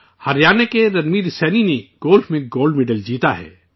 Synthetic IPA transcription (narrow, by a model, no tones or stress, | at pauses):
hɐɾjaːnekeɾɐnmiɾsɛːnineɡoːlfmẽɡoːlɖmɪɖəld͡ʒiːt̪aɦɛ̰ː